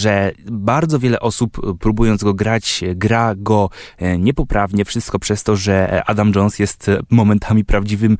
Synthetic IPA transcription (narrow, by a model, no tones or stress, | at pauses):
ʐɛbaɾd̪zɔvʲjɛlɛʔɔsupːɾubujɔnd̪ɡɔɡɾat͡ɕɡɾaɡɔɲɛpɔpɾavɲɛfʂɘst̪̚kɔpʂɛst̪ɔʐɛa̰d̪amd͡ʐɔnsjɛst̪mɔmɛnt̪ʰamʲipɾavd͡ʑivɘm